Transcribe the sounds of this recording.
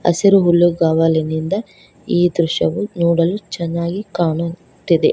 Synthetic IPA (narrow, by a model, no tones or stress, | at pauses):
ɐ̰siɾuɦulːuɡaːʋɐlinind̪ɐ | iːd̪ɾuʃɐʋunuːɽɐlut͡ʃɛnːaːɡikaːɳu | t̪id̪e